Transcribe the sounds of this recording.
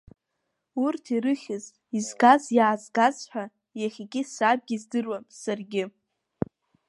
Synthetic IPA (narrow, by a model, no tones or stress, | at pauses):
urtʰiɾɨχʲɪz | izɡazjaːzɡazħʷᶣa | jaχʲikʲʼɪsab̚ɡʲizdɨrwamsarɡʲɪ